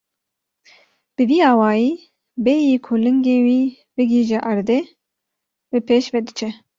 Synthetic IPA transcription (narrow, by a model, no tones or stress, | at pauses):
b̥ɨviːɑːwɑːjiː | bɛjiːkʰolɨŋɡeːwiː | bɨɡiːʒɛʔɑɾd̪ɛ | bɨpʰeːʃvɛd̪ɨt͡ʃʰɛ